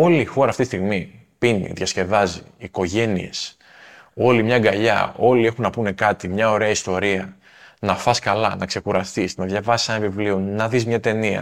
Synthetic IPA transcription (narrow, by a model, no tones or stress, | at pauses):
o̞lixo̞ɾɐːft̪it̪ist̪ɣmi | pinḭðʝɐsce̞vɐziːko̞ʝe̞nḭe̞̰s | o̞limɲɐɡɐʎɐ̰o̞lie̞xunːɐpune̞kɐt̪imɲɐo̞ɾe̞ɐist̪o̞ɾiɐ | nɐfɐskɐlɐnɐkse̞kuɾɐst̪isnɐðʝɐvɐsi̥senɐvivlionɐðizmɲɐt̪e̞niɐ̰